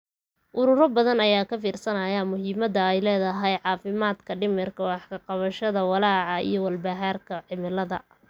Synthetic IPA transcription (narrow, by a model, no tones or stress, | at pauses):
ʔʊɾʊɾɔbɐðɐnɐjaːkʰɐfiːrsɐnɐjamʊɦiːmɐd̪ɐɛjlɛːðɐɦɛjʕɑːfɪmaːd̪kʰɐɖɪmɪrkʰɐwɑħkʰɐqɑβɐʃɐðɐwɑlɑːʕɑḭjɞwɐlbaɦaːrkʰɐʕɪmɪlɐðɐ̰